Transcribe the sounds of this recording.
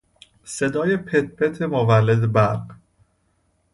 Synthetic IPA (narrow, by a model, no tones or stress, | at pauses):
sed̪ɒːjepʰet̪̚ʰpʰet̪ʰemovælːed̪ebæɾq